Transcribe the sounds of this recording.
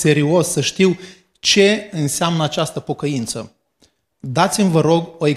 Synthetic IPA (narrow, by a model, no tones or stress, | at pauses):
se̞ɾio̞sːəʃt̪iw | t͡ʃe̞ɨnseamnəat͡ʃast̪əpo̞kəint̪sə | d̪at̪simʲvəɾo̞ɡo̞e